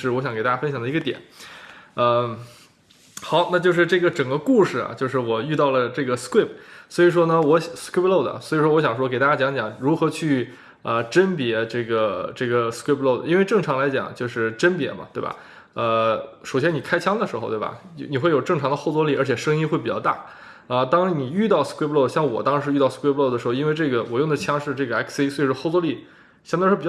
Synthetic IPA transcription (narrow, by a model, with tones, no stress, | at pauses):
ʂɻ̩˥˩wɔ˧˥ɕjɑ˧˥ŋkt̪a˥˩t͡ɕa˥˧fə˥nɕjɑ˨˩ŋd̪ə˧i˧˥ɡə˧t̪jɛ̰˨˩˦n | ə˧ | xɑ˧˥ʊna˥˧t͡ɕjo˥˧ʊʂɻ̩˥˧ʈ͡ʂɤ˥˩ɡə˩ʈ͡ʂɤ˨˩ŋɡə˦ku˥˧˩ʂɻ̩˩ɐ̰˩t͡ɕjo˥˧ʊʂɻ̩˥˩wɔ˨˩y˥˧t̪ɑ˥˩ʊlə˩ʈ͡ʂɤ˥˩ɡə˩skwi˥˩p̚ʰswɔ˧˥i˨˩ʂ̬wɔ˥nə˨wɔ˧˥˩skwi˥plo˥˩ʊd̪ə̰˩swɔ˧˥i˨˩ʂwɔ˥wɔ˧˥ɕjɑ˨˩ŋʂ̬wɔ˥ke˨˩ɪa˥˩t͡ɕja˥t͡ɕjɑ˧˥ŋt͡ɕjɑ˨˩˦ŋɻu˧˥xɤ˧˥t͡ɕʰy˥˩ | ə˧ʈ͡ʂə˥npjɛ˧˥ʈ͡ʂɤ˥˩ɡə˩ʈ͡ʂɤ˥˩ɡə˩skwi˥˩pʰlo˥˩ʊd̪ə˩i˥nwe˥˧ɪʈ͡ʂɤ˥˩ŋʈ͡ʂʰɑ˧˥ŋla˧˥ɪt͡ɕjɑ̰˨˩˦ŋt͡ɕjo˥˧ʊʂɻ̩˥˩ʈ͡ʂə˥npjɛ̰˧˥mɐ̰˧t̪we˥˩ɪbɐ̰˨˩ | ə˧ʂo˨˩ʊɕjɛ˥ni˨˩kʰa˥ɪt͡ɕʰjɑ˥ŋd̪ə˨ʂɻ̩˧˥xo˧t̪we˥˩ɐ̰˩˧˥ni˨˩xwe˥˩ɪjo˨˩ʊʈ͡ʂɤ˥˩ŋʈ͡ʂʰɑ˧˥ŋd̪ə˧xo˥˧ʊt͡swɔ˥li˥˩ə˞˧˥t͡ɕʰɛ˨˩ʂɤ˥ŋi˥xwe˥˩ɪpi˨˩t͡ɕjɑ˥˧t̪a̰˥˩ | ə˧t̪ɑ˥ŋni˨˩y˥˧t̪ɑ˥˩ʊskwplo˥˧ʊɕjɑ˥˩ŋwɔ˨˩t̪ɑ˥ŋʂɻ̩˧˥y˥˧t̪ɑ˥˩ʊskʰwe˥plo˥˩ʊə˩ʂɻ̩˧˥˧i˥nwe˥˧ɪʈ͡ʂɤ˥˩ɡə˩wɔ˨˩jʊ˥˩ŋd̪ə˩t͡ɕʰjɑ˥ŋʂɻ̩˥˧ʈ͡ʂɤ˥˩ɡə˩ɛ˧˥kʰsi˥swe˥˩ʂɻ̩˥xo˥˧ʊt͡swɔ˥li˥˩ | ɕɑ˧˥ŋt̪ʂɻ̩˥p